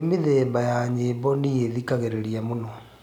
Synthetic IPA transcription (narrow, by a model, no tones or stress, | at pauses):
meðɛbajaɲeːbɔnijeðikaɣeɾeɾiamonɔ